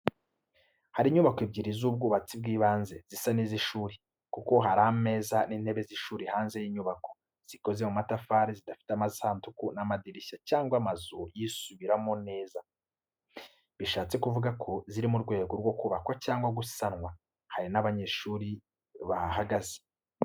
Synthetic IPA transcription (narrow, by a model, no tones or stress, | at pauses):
haɾiɲuβakoibɟiɾizubɡuːβat͡sib̚ɡiːβaːnze̞z̥isaniziʃuːɾe | kuko̞ɦaɾame̞ːzaninhe̞βe̞ziʃuːɾihaːnze̞jiɲuβako̞ | z̥iko̞ze̞mumatafaːɾizidafi̥teamazihaːntukunamadiɾiʃacaːŋɡwamazujisuβiɾamo̞ne̞ːza | βiʃaːt͡se̞kuvuɡakʰo̞ziɾimuɾɡwe̞ːɡo̞ɾɡwo̞kuβakwacaːŋɡwaɡusanŋwa | haɾinaβaɲe̞ːʃuːɾi | βahaɡaze̥